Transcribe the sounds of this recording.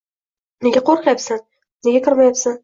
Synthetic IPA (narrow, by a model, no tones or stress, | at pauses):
neɡʲaqʰoɾqʰjapsan | neɡʲakʰɨɾmajapsan